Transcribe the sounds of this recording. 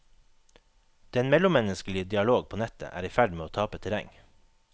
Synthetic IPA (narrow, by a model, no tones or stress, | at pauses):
d̪̥ɛnmɛlʊmɛnəsklɪəd̪ɪɑloːɡ̚pʰoːnɛt̪ə̰ʔæ̰ːɾiːfæɖmeːoːt̪ʰɑːpət̪ʰɛɾæ̰ŋ